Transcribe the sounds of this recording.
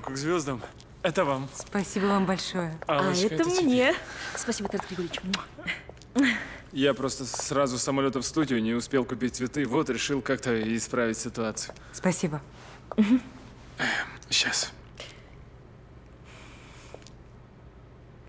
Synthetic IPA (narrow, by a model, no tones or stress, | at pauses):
kəɡzvʲo̞zd̪əm | ɛt̪əvamspɐsʲibəvambɐlʲʂojəaaɛt̪əmnʲespɐsʲibət̪aɾt̪ɡɾʲɪɡoɾɪɪt͡ɕn | japɾo̞st̪əsrazʊsːəmɐlʲo̞t̪əfst̪udʲɪʊnʲɪʊspʲelˠkʊpʲit̚ʲt̪svʲɪt̪ɨvo̞t̪ɾʲɪʂɨlˠkak̚t̪əɪspɾavʲɪtʲsʲɪt̪ʊat̪sɨjʊ | spɐsʲibə | m̩ɦ̩ | ɕas